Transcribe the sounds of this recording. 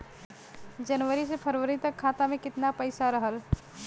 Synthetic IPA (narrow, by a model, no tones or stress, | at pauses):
d͡ʒənʋəɾisepʰəɾʋəɾit̪əkʰːat̪amekɪt̪napəɪsaɾəɦəl